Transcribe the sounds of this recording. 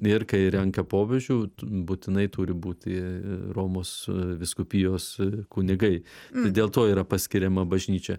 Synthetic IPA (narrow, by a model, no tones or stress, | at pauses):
ɪɾkɐɪɾʲɛŋkɐpoːbʲeʒʲuːbuːt̪ʲɪnɐɪt̪uːɾʲɪbuːt̪ʲɪroːmoːsʋʲɪskʊpʲiːjoːskʊnʲɪɡɐɪt̪ɐɪd̪ʲeːlˠt̪oːiːɾɐpɐsʲkʲɪɾʲɛmɐbɐʒʲnʲiːt͡ʃʲɛ